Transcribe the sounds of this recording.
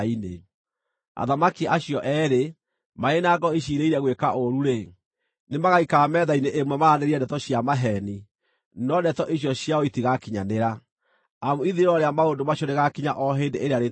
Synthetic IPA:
ine | a̰ðamakiʔaɕiɔʔɛɾe | maenaɡɔiʃiɾeiɾɛɣwekaʔoɾuɾe | nemaɣaikaːmɛðaineʔemwɛmaːneɾiɛndɛtɔɕjamaɦɛni | nɔdɛtɔʔiɕjɔɕjaɔitiɣakiɲaneɾa | amuiðiɾɔɾeamaondomaɕɔneɣakiɲaʔɔɦendeʔeɾeaɾe

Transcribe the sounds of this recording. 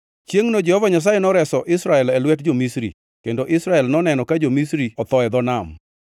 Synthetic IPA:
t͡ʃjeŋnod͡ʒɛhɔvaɲas̬ajenɔɾɛsɔʔɪsɾaɛlɛlwɛtd͡ʒomisɾḭ | kendoʔɪsɾaɛlnɔnɛnɔkad͡ʒomisɾiɔt̪ɔɛd̪ɔnam

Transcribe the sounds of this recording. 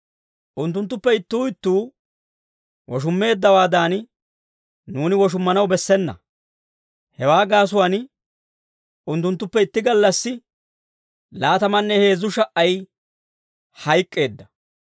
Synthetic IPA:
ʔʊnt̪ːʊnt̪ːʊpːɛɪt̪ːuːɪt̪ːuː | wɔʃ̬ʊmːe̞ːd̪ːɐwaːd̪aːn | nuːnɪwɔʃ̬ʊmːɐnɐwbɛsːɛnːɐ̰ | hɛwaːɡaːs̬ʊwan | ʔʊnt̪ːʊnt̪ːʊpːɛɪt̪ːɪɡɐlːɐsːɪ | laːt̪ɐmɐnːɛhe̞ːzːʊʃɐʔɐj | hɐjkʼːe̞ːd̪ːɐ

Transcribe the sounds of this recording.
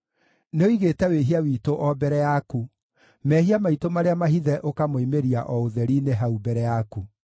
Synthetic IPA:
neoiɣeːtɛweɦiawiːtoʔɔbɛɾɛjaku | mɛhiamaitomaɾeamaɦiðɛʔokamoimeɾiaʔɔoðɛɾineɦaubɛɾɛjaku

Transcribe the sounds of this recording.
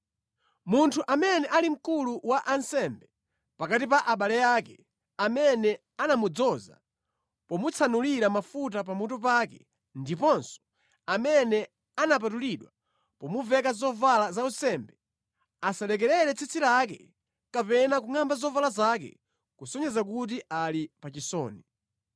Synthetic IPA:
muntʰuʔamɛnɛʔalim̩kuluwaʔansɛmbɛ | pakatipaʔaɓalɛjaːkɛ | amɛnɛ | anamud͡zɔza̰ | pɔmut͡sʰanuliɾamafut̬ap̬amutɔp̬akɛ | ndipɔnsɔ̥ | amɛnɛ | anap̬atuliɗwa | pɔmuvɛkazɔvalazausɛmbɛ | asalɛk̬ɛlɛɾɛt͡sʰit͡sʰiɾak̬ɛ | kapɛnak̬uŋambazɔvalazakɛ̰ | kusɔɲɛzak̬ut̬iʔalipat͡ʃisɔ̰ːni

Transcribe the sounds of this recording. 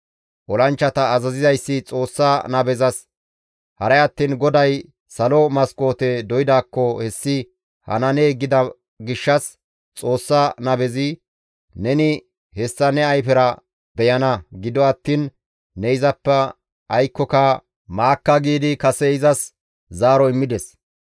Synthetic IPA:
ʔɔlɐnt͡ʃːɐt̪ɐːzɐzɪzɐjsːɪt͡sʼo̞ːsːanɐbɛzɐs | hɐɾɐjɐt̪ːiːnɡɔd̪ɐj | sɐlɔmɐsko̞ːt̪ɛd̪ɔjɪd̪aːkːɔhɛsːɪ | hɐ̰nɐneːɡɪd̪ɐ | ɡɪʃːɐs | t͡sʼo̞ːsːɐnɐbɛzɪ | nɛnɪ | hɛsːɐnɛɐjfɛɾɐ | bɛjɐnɐɡɪd̪ɔɐt̪ːiːnː | ɛɪzɐpːɛ | ʔɐjkːɔkɐ | maːkːɐɡiːd̪ɪkɐsɛɪzɐs | zaːɾɔɪmːɪd̪ɛs

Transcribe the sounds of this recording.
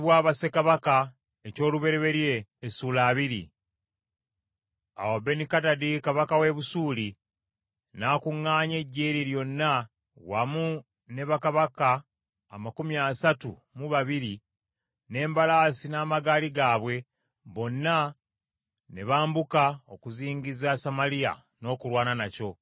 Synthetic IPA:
βwaːβase̞kaβaka | eco̞ːluβe̞ɾeβe̞ɾje̞ːsuːlaːβiɾḭ | a̰wabe̞nikatadikaβakawe̞βusuːli | naːkuŋːaːɲe̞ɟːe̞ːɾiɾjo̞nːa | wa̰mu | ne̞βakaβakaː | makumjasatṵ | muβaβiɾi | ne̞ːmbalaːsinaːmaɡaːliɡaːβwe̞ | βo̞nːa | ne̞βaːmbukao̞kuziːŋɟizasamalija̰ | no̞ːkulwaːnanaco̞

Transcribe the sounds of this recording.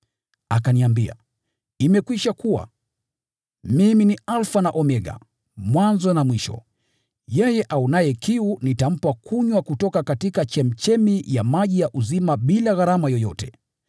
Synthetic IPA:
akaniambia̰ | imɛkwiʃakuwa̰ | miminialfanaʔɔmɛɠa̰ | mwanzɔnamwiʃɔ̰ | jɛjɛʔaunajɛkiunitam̩pakʰuɲwakutɔkakatikat͡ʃɛm̩t͡ʃɛmijamaʄijaʔuzimaɓilaɣaɾamajɔjɔtɛ

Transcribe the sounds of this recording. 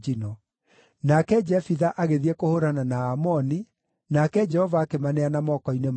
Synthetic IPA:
inɔ | nakɛd͡ʒɛfiðaʔaɣeðiɛkohoɾananaːmɔni | nakɛd͡ʒɛhɔvaːkemanɛanamɔkɔinem

